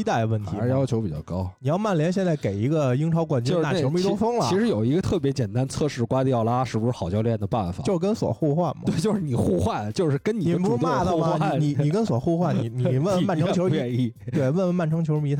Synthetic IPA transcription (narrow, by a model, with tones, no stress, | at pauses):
i˥t̪a˥˩ɪd̪ə˩ʋə˥˩nt̪ʰi˧˥˧jɑ˥ʊt͡ɕʰjo˧˥ʊpi˨˩t͡ɕjɑ̰˥˩ʊkɑ˥ʊni˨˩jɑ˥˧ʊma˥˩nljɛ˧˥nɕjɛ˥˧nt͡sa˥˩ɪke˨˩ɪi˧˥ɡə˧i˥ŋʈ͡ʂʰɑ˧˥ʊkwa˨˩nt͡ɕɛ˥˧˥na˥˩˥t͡ɕo˧˥mi˥˧˩t̪o˥ʊfɤ˥ŋlɐ˨˧˥ʂɻ̩˧˥jo˨˩ʊi˧˥ɡə˧t̪ʰɤ˥˩p̬jɛ˧˥t͡ɕjɛ˨˩nt̪a˥nt͡sʰɤ˥˧ʂɻ̩˥˩kwa˥t̪jɑ˥˩ʊla˥ʂɻ̩˥˧˩bu˧˥ʂɻ̩˧˩xɑ˨˩ʊt͡ɕjɑ˧lɥjɛ˥˩nd̪ə˩pa˥˩nfa̰˨o˥˧ʊʂɻ̩˥˧˩kə˥nswɔ̰˨˩xu˥˧xwa˥˩˧nmɐ̰˨˩we˥˩ɪt͡ɕjo˥˧ʊʂɻ̩˥˩ni˨˩xu˥˧xwa˥˩nt͡ɕjo˥˧ʊʂɻ̩˥˩kə˥ni˨ni˨˩pu˧˥˧u˥˧˥d̪ə˨˩˧mɐ˨˧ni˥˧ni˨˩i˨˩kə˥nswɔ̰˨˩xu˥˧xwa˥˩nni˧˩ni˧˨˩wə˥˧ə˧˦ma˥˩nʈ͡ʂʰŋt͡ɕʰo˧˥ʊɛ˥˧ni˥˩ | t̪we˥˩ɪwə˥˧nə˧ma˥˩nʈ͡ʂʰɤ˧˥ŋt͡ɕʰo˧˥ʊ˥i˧˥t̪ʰa˥˩